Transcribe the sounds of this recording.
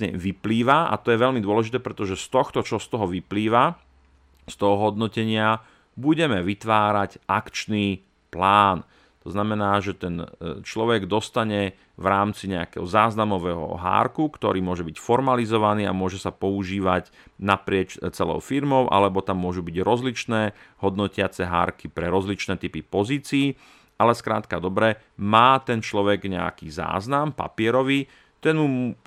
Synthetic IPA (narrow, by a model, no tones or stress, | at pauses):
ɲɛ̰ʋipliːʋaa̰t̪ɔjɛʋɛʎmid̪ʊɔlɛʒit̪ɛːpɾɛt̪ɔʒɛst̪ɔxt̪ɔt͡ʃɔst̪ɔɦɔʋipliːʋa | st̪ɔɦɔɦɔd̪nɔcɛɲɪa | buɟɛmɛʋit̪ʋaːɾaɟakt͡ʃniː | plaːn | t̪ɔznamɛnaːʒɛt̪ɛnt͡ʃlɔʋɛɡd̪ɔst̪aɲɛ | ʋɾaːmt͡siɲɛa̰kɛ̰ɦɔzaːznamɔʋɛɦɔ̰ɦa̰ːɾkukt̪ɔɾiːmʊɔʒɛbicfɔɾmalizɔʋaniːa̰mʊɔʒɛsapɔuʒiːʋaɟ | napɾɪɛt͡ʃt͡sɛlɔ̰ʊfiɾmɔʊʔa̰lɛbɔt̪amːʊɔʒubiɟɾɔzlit͡ʃnɛːɦɔd̪nɔcɪat͡sɛɦa̰ːɾkipɾɛɾɔzlit͡ʃnɛːt̪ipipɔziːt͡siː | ʔalɛskɾa̰ːt̪kad̪ɔbɾɛ | maːt̪ɛnt͡ʃlɔʋɛɡɲɛa̰kiza̰ːznampa̰pɪɛɾɔʋi | t̪ɛnmu